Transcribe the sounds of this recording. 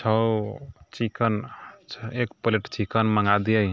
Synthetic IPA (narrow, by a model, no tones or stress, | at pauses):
t͡ʃʰəwt͡ʃikən | ekpoleʈt͡ʃikənməŋɡad̪ijəj